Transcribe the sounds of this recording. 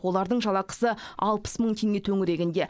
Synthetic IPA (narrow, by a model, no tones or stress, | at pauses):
wo̞lˠɑɾd̪əɴʒɑlˠɑqə̥səɑ̰lˠpə̥sməɴt̪ʰe̞ŋɡʲet̪ʰɵŋɪɾe̞ɡʲɪnd̪e̞